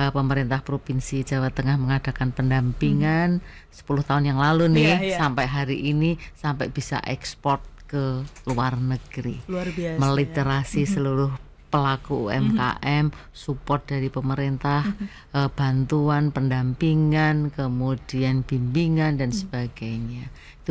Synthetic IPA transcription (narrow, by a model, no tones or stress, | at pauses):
əpəməɾint̪ahpɾopinsid͡ʒa̤wat̪ːəŋahməŋad̥a̤kanpəndampiŋan | sə̥pulʊht̪aʊnjaŋlalunɪhsampɛʔɦaɾiʔinisampɛʔb̥isa̰ʔɛkspɔrt̪̚kəluarnəɡ̥ɾḭməlit̪əɾasisəluɾʊh | pəlakuɛ̰mka̰ʔɛm | supɔrt̪̚d̥aɾipəməɾint̪ah | b̥a̤nt̪uanpəndampiŋankəmud̥ianb̥imbiŋandansəb̥aɡ̥aɲa | it̪u